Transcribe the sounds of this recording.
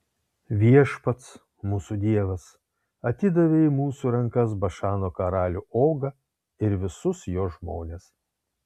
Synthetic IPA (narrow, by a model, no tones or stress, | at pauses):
ʋʲiɛʃpɐt̪s | muːsud̪ʲiɛʋɐs | ɐt̪ʲɪd̪ɐʋʲeːmuːsuːɾɐŋˑkɐs̬bɐʃɑːnoːkɐɾɑːlʲuːʔoːɡɐ | ɪɾʋʲɪsʊsjoːʒmo̰ːnʲeːs